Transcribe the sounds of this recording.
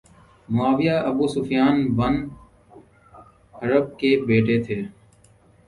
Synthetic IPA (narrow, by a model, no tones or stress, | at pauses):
mʊaːʋɪjaːʔəbuːsʊfɪjaːnʋən | əɾəb̚keːbeːʈeːt̪ʰeː